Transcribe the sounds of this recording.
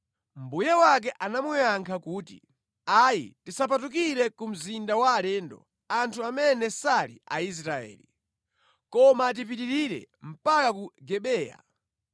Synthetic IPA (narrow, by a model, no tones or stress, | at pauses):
m̩bujawak̬ɛʔanamujaŋkʰakuːti | ajḭtisap̬at̬uk̬iɾɛkum̩zindawaːlɛːndɔ̰ | antʰuamɛnɛsalḭa̰is̬ɾaɛ̰ːli | kɔmat̬ip̬itiɾiɾɛ̰m̩pakakuɡɛɓɛːja̰